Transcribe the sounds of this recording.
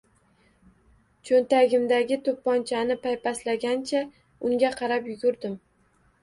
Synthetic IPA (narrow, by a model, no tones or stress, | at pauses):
t͡ʃʰɵnt̪aɡʲɪmd̪aɡʲɪt̪ʰopːɒnt͡ʃʰanɪpajpaslaɡʲant͡ʃʰa | ʊŋɡʲaqʰɑɾapjʊɡʲʊɾd̪ɪm